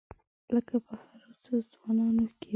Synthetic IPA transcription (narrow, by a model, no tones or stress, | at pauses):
ləkapəhaɾot͡səzwɑnɑnoke